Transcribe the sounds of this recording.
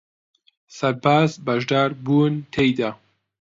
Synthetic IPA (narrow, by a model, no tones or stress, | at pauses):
sɐɾbaːzbɐʒd̪aːɾbuːnt̪ʰejd̪a